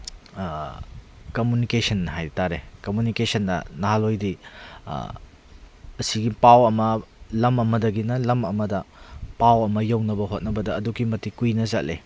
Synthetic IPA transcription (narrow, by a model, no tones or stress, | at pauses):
kɐmjunikesɐnːɐɦajɾitaɾekɐmjunikesɐndɐ̰naɦalojdḭ | ɐsiɡipawɐmɐlɐmɐmɐdɐɡinɐlɐmɐmɐdɐpawɐmɐjɐwnɐbɐɦot̚nɐbɐdɐːduɡimɐtikujnɐzɐ̰tlḛ